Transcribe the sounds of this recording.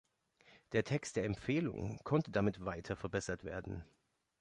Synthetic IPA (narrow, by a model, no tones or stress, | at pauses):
d̥eːɐtʰɛkst̚d̥eːɐɛmpfeːlʊ̰ŋkʰɔntədamɪtv̥aɪtʰɐfɛɐbɛsɐtv̥ḛːɐdn̩